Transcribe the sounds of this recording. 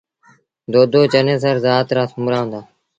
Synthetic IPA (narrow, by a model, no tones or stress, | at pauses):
d̪oːd̪oːt͡ʃənẽːs̬əɾzaːt̪ɾaːsʊmɾaːʋə̃nd̪aː